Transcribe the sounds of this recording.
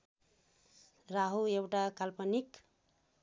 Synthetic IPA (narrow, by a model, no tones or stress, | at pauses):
raɦuewʈakalpʌnik